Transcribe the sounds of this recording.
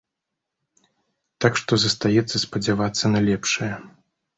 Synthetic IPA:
t̪akʂt̪ɔzɐst̪ajɛt̪sːɐspɐd͡zʲavat̪sːɐnɐlʲɛpʂɐjɐ

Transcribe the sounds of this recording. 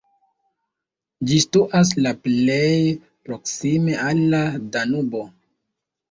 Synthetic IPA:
d͡ʒistuʔas̬laple̞j | pɾo̞ksime̞ʔalːadanubo̞

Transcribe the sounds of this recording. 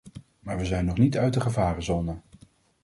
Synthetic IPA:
maːɹʋəzɛjnːɔχnitœɥtəχəvaːrəzɔnə

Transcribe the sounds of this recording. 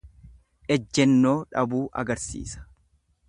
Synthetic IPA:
ʔɛd͡ʒːɛnːo̞ːᶑɐbuːʔɐ̰ɡɐɾsḭːsɐ̥

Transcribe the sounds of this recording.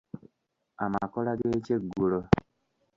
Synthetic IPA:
amakɔlaɡet͡ʃeɡuɾo

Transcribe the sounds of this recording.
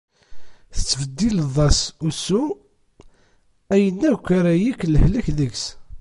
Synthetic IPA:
θə̥t͡sːfəd̪ːilðˤɑsusːu | æjənːækːaɾæjikːləhlæçðəɡs

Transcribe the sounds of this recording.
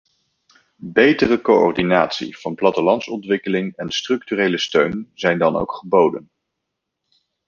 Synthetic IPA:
bejtərəkoɔ̰rdinaːtsḭv̥ɑnplɑtəlɑntsɔntʋɪkəlɪŋɛnstrɵktyrejləstøɥnzɛjndɑno̰wkχəbowdən

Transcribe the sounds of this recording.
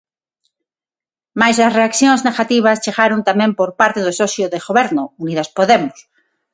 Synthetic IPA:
majsɐsreakθjõŋzneɣat̪iβ̞ast͡ʃeɣaɾont̪amẽmpoɾpaɾt̪eðosɔsjoðeɣoβeɾnʊuniðaspoðemʊs

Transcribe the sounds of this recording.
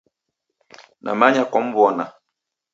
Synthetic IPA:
nʔa̰maɲakɔm̩bwɔna

